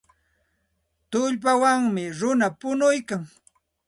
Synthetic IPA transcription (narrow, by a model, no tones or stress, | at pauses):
t̪ʊʎp̬awaŋmɪɾʊnapʊnʊjkaŋ